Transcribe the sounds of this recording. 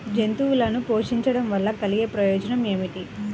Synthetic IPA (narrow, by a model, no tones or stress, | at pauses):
d͡ʒe̞nt̪uwulɐnupo̞ːʂiɲt͡ʃɐɽɐmʋɐlːɐkɐliɡeːpɾɐjɔːd͡ʒɐnɐme̞ːmiʈi